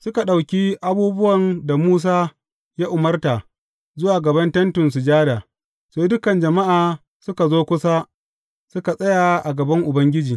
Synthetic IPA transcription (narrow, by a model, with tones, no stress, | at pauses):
sʊ˦ka˨ɗa˨wkʲiː˦ʔa˦buː˦bʊ˦wɐ˨nda˨muː˦s̬aː˦ | jaː˦ʔʊ˨mɐ˦rta˨ | zʊ˦waː˨ɡɐ˨bɐ˦ntɐ˦ntʊ˨ns̬ʊ˨d͡ʒaː˦daː˨ | seː˦dʊ˦kɐ˨nd͡ʒɐ˨ma˦ʔaː˨ | sʊ˦ka˨zoː˦kʷʊ˦saː˦ | sʊ˦ka˨sʼɐ˦jaː˨ʔa˨ɡɐ˨bɐ˦ŋʔʊ˨bɐ˦ŋɡʲɪ˦d͡ʒiː˨